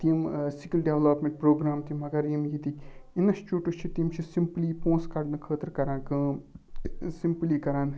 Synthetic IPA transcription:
t̪imsikilɖeʋloːpmeɳʈ̚pɾoːɡɾaːmt̪imɐɡɐɾjimjit̪ikʲinɐʃt͡ʃuʈut͡ʃʰit̪imt͡ʃʰisimpliːpõːskɐɽnɨkʰəːt̪ɾkɐɾãːnkɨ | simpliːkɐɾaːn

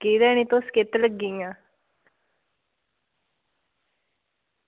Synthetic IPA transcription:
ɡiɾɛnit̪osket̪ələɡiŋa

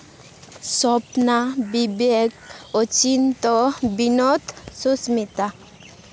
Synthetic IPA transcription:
sɔpnabibekot͡ɕint̪ɔbinɔt̪susmit̪a

